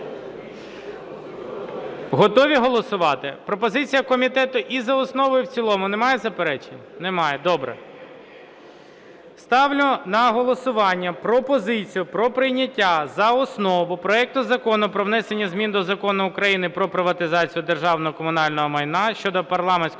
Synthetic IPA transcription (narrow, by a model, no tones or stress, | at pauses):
ɦɔt̪ɔʋʲiɦɔlˠɔsʊʋɑt̪ɪpɾɔpɔzɪt͡sʲijɐkɔmʲit̪ɛt̪ʊʔizɐɔsnɔʋɔjʊwt͡sʲilˠɔmʊnemɑjɛzɐpeɾɛt͡ʃenʲnɛmɑjɛd̪ɔbɾɛ̰ | st̪ɑwlʲʊnɐɦɔlˠɔsʊʋɑnʲːɐpɾɔpɔzɪt͡sʲijʊpɾɔpɾɪjnʲɐtʲːazɐɔsnɔʋʊpɾɔɛk̚t̪ʊzɐkɔnʊpɾɔʋnɛsenʲːɐzʲmʲind̪ɔzɐkɔnʊʊkɾɐjinɪpɾɔpɾɪʋɐt̪ɪzɑt͡sʲijʊd̪erʒɑwnɔɦɔkɔmʊnɑlʲnɔɦɔmɐjnɑʃt͡ʃɔd̪ɔpɐrlˠɑmenʲsʲ